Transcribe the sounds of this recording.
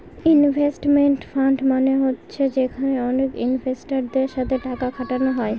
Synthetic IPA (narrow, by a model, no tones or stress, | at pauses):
inbʱesʈmeɳʈfaɳɖmaneɦotːɕʰed͡ʒekʰaneɔnekḭnbʱesʈaɾd̪eɾʃat̪ʰeʈakakʰaʈanoɦɔe